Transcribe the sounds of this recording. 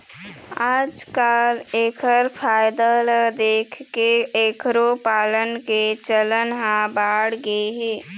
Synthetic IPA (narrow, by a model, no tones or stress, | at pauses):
aːd͡ʒkaːleːkʰəɾpʰaːjd̪ələd̪eːkʰkeeːkʰɾopaːlənket͡ʃələnɦãbaːɽɡəeɦeː